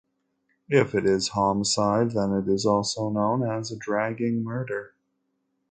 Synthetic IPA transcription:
ɪfɨɾɪz̥hɑmsaɪd̪̚ðə̃nɪɾɪzɔlˠsoʊnõʊ̃nɨzədɹæɡɪ̃ŋmɜ˞ɾə˞

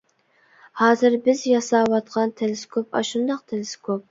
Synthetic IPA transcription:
hɑːzɪɾbɪzjɑsɑwɑt̪qʰɑnt̪ʰeleskʰopɑ̰ʃund̪ɑq̚t̪ʰelɪskʰop̚

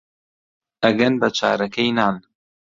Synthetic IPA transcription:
ʔɐɡɐnbɐt͡ʃʰa̰ːɾɐkʰɐjnaːn

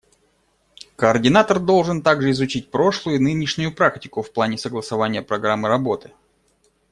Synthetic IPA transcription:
kəːrdʲɪnat̪ərd̪o̞lˠʐɨnt̪aɡʐɨɪzʊt͡ɕit̚ʲpɾo̞ʂlˠʊjʊnɨnʲɪʂnʲʊjʊpɾaktʲɪkʊfplˠanʲɪsəɡlˠəsɐvanʲɪjəpɾɐɡɾamːɨɾɐbo̞t̪ɨ

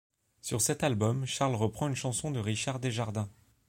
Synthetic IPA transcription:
syʁsɛt̪albɔmʃaʁlʁəpχɑ̃ynʃɑ̃sɔ̃d̪əʁiʃaʁd̪eʒaʁd̪ɛ̃

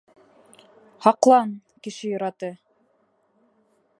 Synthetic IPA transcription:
hɑqlˠɑnkɘ̆ʃɘjŏɾɑt̪ɤ

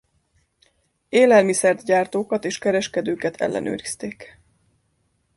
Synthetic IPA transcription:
eːlɛlmisɛrd̪ɟaːrt̪oːkɒt̪eːʃkɛɾɛʃkɛd̪øːkɛt̪ʰɛ̰lːʔɛ̰nø̰ːɾist̪eːk

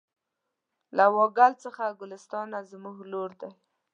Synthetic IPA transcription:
lawɑɡalt͡səxaɡʊlɪst̪ɑnazmuɡloɾd̪aj

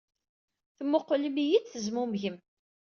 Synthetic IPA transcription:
θəmːʊqːləmijiθθəzmumʝəm

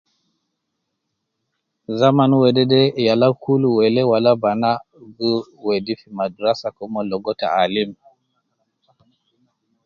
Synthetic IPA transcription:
zamanwɛdɛdɛjalakʰuluwɛlɛwalabana | ɡuwɛdifimaduɾasakɔmɔlɔɡɔta̰alim

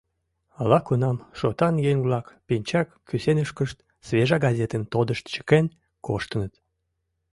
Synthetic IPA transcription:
ɑlɑkunɑmʃot̪ɑnjeŋβlɑkpinʲt͡ɕɑkːysenəʃkəʃt̪ | sβeʒɑɡɑzʲet̪ənt̪od̪əʃt̪t͡ɕə̥ken | koʃt̪ənət̪

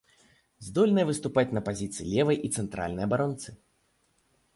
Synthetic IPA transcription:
zd̪ɔlʲnɐjɛvɨst̪upat͡sʲnɐpazʲit̪sɨjilʲɛvɐjʔit̪sɛnt̪ɾa̰lʲnɐjɐbaɾɔnt̪sɨ

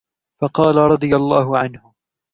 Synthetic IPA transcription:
fɑqɑːlaɾˤɑd̪ˤɨjalːaːɦʊʕanhʊ

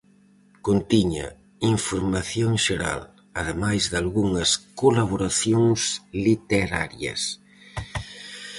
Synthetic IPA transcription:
kont̪iɲa̰ | iɱfoɾmaθjoŋʃeɾa̰l | að̞emajzðalɣuŋɐskolaβ̞oɾaθjoŋslit̪eɾaɾjɐ̰s

